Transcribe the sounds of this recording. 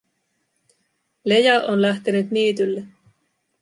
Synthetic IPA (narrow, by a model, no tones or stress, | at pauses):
le̞jɑʔonlæht̪enyt̪nyːt̪ylːe